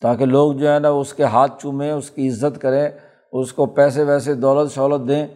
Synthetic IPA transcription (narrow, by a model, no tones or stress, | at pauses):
t̪aːkeloːɡd͡ʒoːɦɛːnɐʊskeɦaːt̪̚ʰt͡ʃʊmẽːʊskiɪzːət̪kəɾẽː | ʊskopɛːs̬eʋɛːsed̪ɔːlət̪ʃɔːlət̪̚d̪ẽː